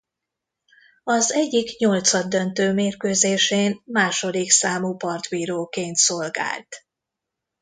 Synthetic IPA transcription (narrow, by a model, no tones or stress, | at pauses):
ɒzɛɟːikɲo̞lt̪sɒd̪ːønt̪øːmeːrkøːzeːʃeːnmaːʃo̞d̪iksaːmupɒrt̪biːɾoːkeːnt̪so̞lɡa̰ːlt̪